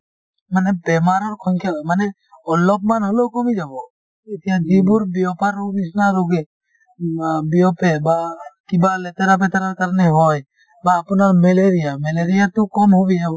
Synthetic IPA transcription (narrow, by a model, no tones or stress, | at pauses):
manɛbɛmaɾɔɾkʰɔɲkʰɛmanɛ | ɔlɔpmanɦɔlɔkɔmid͡ʒabɔ | it̪ijad͡ʒibuɾbiɔpaɾobisnaɾuɡɛ | biɔpɛbakibalɛt̪aɾap̬ɛt̪aɾaɾkaɾnɛɦɔj | baːpɔnaɾmɛleɾijamɛleɾijat̪ukɔmɦɔbijabɔ